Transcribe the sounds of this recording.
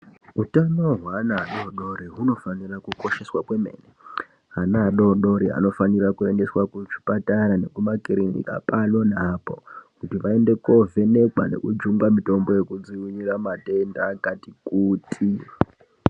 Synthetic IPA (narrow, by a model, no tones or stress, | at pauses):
utano̞ɦwanaɗo̞ɗo̞ɾiɦuno̞fanirakuko̞ʃe̞swakwe̞me̞̰ne | ɦanaɗo̞ɗo̞ɾiɦa̰no̞fanirakue̞nde̞swakut͡ʃi̥pataɾane̞kumakiɾinḭka̰pano̞napo̞kutiʋae̞nde̞ko̞vʱe̞ne̞kwa̰ne̞̰kud͡ʒuŋɡamito̞mbo̞je̞kud͡ziwiɲiramate̞ndaːkatikuːtʰi